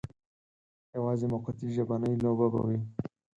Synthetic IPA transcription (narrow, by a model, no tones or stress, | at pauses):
jawɑzemʊqat̪iʒabanəjlobaba̰wi